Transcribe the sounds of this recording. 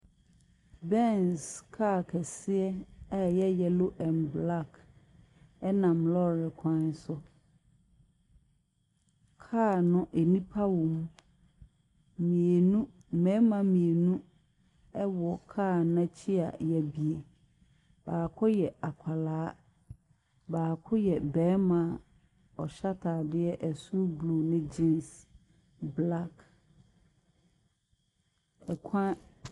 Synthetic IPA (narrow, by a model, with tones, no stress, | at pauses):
bɛ˦nskʰa˦˨kʰɛ˨sɪ˦ɛ˦ɛ˦˨jɛ˦jɛ˨lo˦ʔɛ̃˨nbla˦˨k | ɛ˦nã˨mlɔ˦ɾɪ˨kʷʰã˦n˦sʊ˦ | kʰaː˦˨nʊ̃˦ʔe˨nĩ˦pʰa˦wʊ̃˨m | mĩ˨e˨nũ˦˨mɛ̃˨˦mã˨mĩ˨e˨nũ˦ | ɛ˦wɔ˨kʰaː˦˨nã˦t͡ɕʰi˦a̰˨jɛ˨bi˨e˨ | b̥aː˨kʰʊ˦jɛ˨a˨kʷʰa˨laː˨˦ | baː˨kʰʊ˦jɛ˨bɛ̃ː˨˦mã˨ | ɔ˨ɕa˦tʰaː˨dɪ˦ɛ˦ʔɛ˨su˦blu˨nɪ̃˦d͡ʑĩ˦ns | bla˦k | ɛ˨kʰã˦